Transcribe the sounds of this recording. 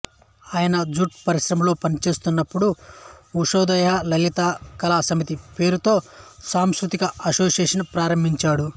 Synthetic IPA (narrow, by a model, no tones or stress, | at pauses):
aːjɐnɐd͡ʒuʈ̚pɐɾiʃɾɐmlo̞ːpɐnit͡ʃe̞ːst̪unːɐpːuɽuuʂoːd̪ɐjaːlɐlit̪aːkɐlaːsɐmit̪ipe̞ːɾut̪o̞ːsaːmskɾut̪ikɐɐsoːsjeːʂɐnpɾaːɾɐmbʱiɲt͡ʃaːɽu